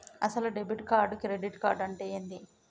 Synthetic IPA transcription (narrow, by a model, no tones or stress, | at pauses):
ɐ̰sɐluɖebiʈkaːɾɖkɾeɖiʈkaːɾɖɐɳʈeːjɐnd̪i